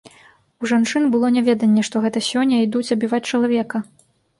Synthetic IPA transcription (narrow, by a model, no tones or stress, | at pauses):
uʐant͡ʂɨnbɨlˠɔnʲɛvʲɛd̪ɐnʲːɛʂt̪ɔɣɛt̪ɐsʲɔnʲːɐid̪ut͡sʲɐbʲivat͡sʲt͡ʂɐlˠavʲɛkɐ